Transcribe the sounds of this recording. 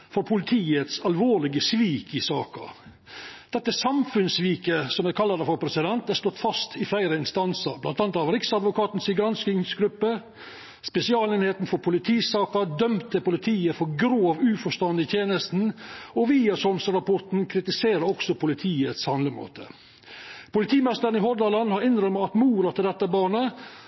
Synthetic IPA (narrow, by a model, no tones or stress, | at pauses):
fɔɾpʰʊlɪt̪ʰiːət̪sɑlʋoːlɪɡəsʋiːkɪsɑːkə̰ | d̪̥ɛt̪ːəsɑmfʉnsʋiːkəsɔmækʰɑlːɑd̪əfɔɾpʰɾɛsɪd̪ɛnt̪æɾst̪ɔt̪ːfɑst̪ʰɪflæɪɾəɪnst̪ɑnsəɾblɑnt̪ɑnt̪ɑʋɾɪksɑd̪ʋʊkɑːt̪nsɪɡɾɑnskɪŋsɡɾʉpːə | spɛsɪɑːleːnheːt̪n̩fɔɾpʰʊlɪt̪ʰiːsɑːkəd̪œmt̪əpʊlɪt̪ʰiːəfɔɾɡɾoːʋʉːfɔʂt̪ɑnd̪ɪt̪ʰjeːnəst̪n̩ɔʋiːɑsɔmsəɾɑpɔʈ̪n̩kʰɾɪt̪ɪseːɾəɾɔksɔpʊlɪt̪ʰiːət̪shɑnləmo̰ːt̪ʰə | pʊlɪt̪ʰiːmɛst̪əɾənɪɦɔd̪ɑlɑnhɑɾɪnɾœməɑt̪muːɾət̪ɪld̪ɛt̪ːəbɑːɳə